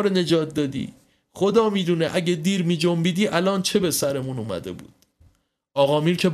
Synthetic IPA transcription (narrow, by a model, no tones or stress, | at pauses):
ɾene̞d͡ʒɒːt̪̚d̪ɒːd̪ḭː | χo̞d̪ɒːmiːd̪uːneʔæɟed̪iːɾmiːd͡ʒombiːd̪iːʔælɒːnt͡ʃʰe̞be̞sæɾe̞munuːmæ̰d̪e̞̰bṵːd̪̥ | ʔɒːɣɒːmiːɾcʰe̞b